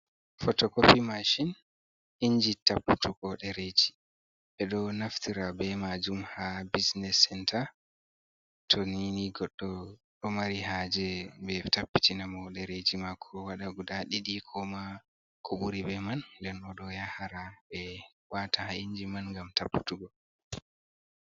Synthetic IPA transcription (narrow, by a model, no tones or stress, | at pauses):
fɔtɔkopimaʃin | ʔiɲd͡ʒitapːu̥tʰuɡɔɗɛɾed͡ʒi | ɓɛɗɔnaftiɾabɛmad͡ʒumhabisnɛsɛntʰa | tʰɔniniɡɔɗːɔɗɔmaɾihad͡ʒɛbɛtapːitinamɔɗɛɾed͡ʒimakʰɔwaɗaɡudaɗiɗikʰɔma | kʰɔɓuɾibɛmanːdɛnɔɗɔjahaɾabɛ | watahaiɲd͡ʒimanŋɡamtapːu̥tuɡɔ